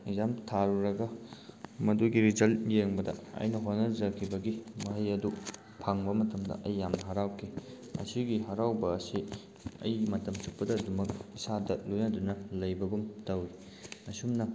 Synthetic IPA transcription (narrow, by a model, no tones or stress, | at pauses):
zamtʰaɾuɾɐɡɐ | mɐduɡiɾizɐljeŋbɐdɐ̰ɐ̰jnɐɦonɐd͡ʒɐkʰːibɐɡimɐɦɐjɐdu | pʰaŋbɐmɐtɐmdɐ̰ʔɐjːamnɐɦɐɾawkʰi | ɐ̰siɡiɦɐɾawbɐːsi | ɐ̰jmɐtɐmsuk̚pɐdɐdumɐk̚isadɐlojnɐdunɐlɐjbɐɡumtɐwi | ɐsumnɐ